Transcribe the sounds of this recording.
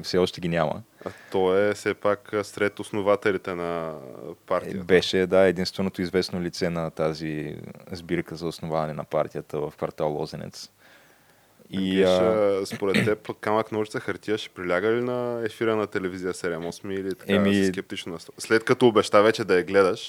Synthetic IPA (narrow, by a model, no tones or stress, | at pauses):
fsɛɔʃt̪ɛɡʲinʲamə̰t̪ɔɛfsɛpaksɾɛt̪osnovat̪ɛlit̪ɛnɐ | paɾt̪ibɛʃɛd̪aɛd̪inst̪vɛnot̪oizvɛsnolit̪sɛnɐt̪azizbiɾkəzɐosnovavɐnɛnɐ̰paɾt̪ijət̪əvəfkvɐɾt̪alˠɔ̰zɛnɛ̰t̪s | iispoɾɛt̪ːɛpot̪kamɐknuʒi̥t̪əxɐɾt̪iəʃɛ̥pɾilʲaɡəlinɐɛfiɾənɐt̪ɛlɛvizijəsɛɾɛmɔsmiːlit̪ɐ̥ɛamiskɛp̚t̪it͡ʃnonɐst̪slɛt̪kɐt̪oːbɛʃt̪avɛt͡ʃɛd̪ɐɐɡlɛd̪əʃ